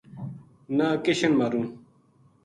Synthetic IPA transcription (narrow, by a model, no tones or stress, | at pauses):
nakeɕɐnmɐɾũ